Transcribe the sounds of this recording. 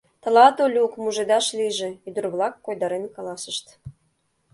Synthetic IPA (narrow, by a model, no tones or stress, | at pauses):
t̪ə̆lɑt̪olʲukmuʒed̪ɑʃliʒeyd̪ə̆rβlɑkːojd̪ɑɾenkɑlɑsəʃt̪